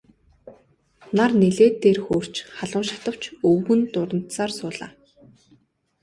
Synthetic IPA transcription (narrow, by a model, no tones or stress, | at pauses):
narneɮeːt̪ːeːrxoːr̥t͡ɕχaɮʊːʃḁt̪ə̆w̥t͡ɕɵwɣɘ̆nt̪ʊɾə̆n̥t̪saːrsʊːɮa̰ː